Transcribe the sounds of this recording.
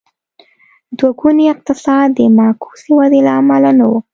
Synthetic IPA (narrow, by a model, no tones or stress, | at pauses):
d̪waɡuniɪq̚t̪ɪsɑd̪̚d̪ːəmakʰu̥siwad̪elaːmalanawu